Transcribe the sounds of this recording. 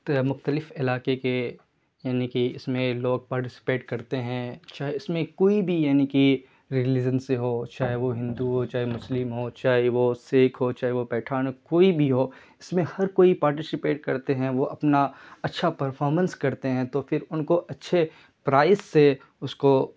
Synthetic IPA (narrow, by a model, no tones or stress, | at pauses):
mʊxt̪əlɪfɪlaːkeke | jaːnikiɪsmẽloːɡ̚paːɾʈɪsɪ̥peːʈkɐɾt̪eɦɛ̃t͡ʃaːɦeɪsmẽkoːibʱijaːniki | ɾilɪd͡ʒənseɦoːt͡ʃaːɦeʋoɦɪ̃nd̪uɦoːt͡ʃaːɦemʊslɪmɦoːt͡ʃaːɦeʋoseːkʰɦot͡ʃaːɦeʋopɛːʈʰaːnkoːibʱiɦoː | ɪsmẽhɐɾkoːipaːɾʈɪsɪpeːʈkɐɾt̪eɦɛ̃ʋoʔɐpnaɐtːʃʰapɐɾfʰɔːɾmə̃nskɐɾt̪eɦɛ̃t̪ofɪɾʊnkoʔɐtːʃʰe | pɾaːɪsːe | ʊsko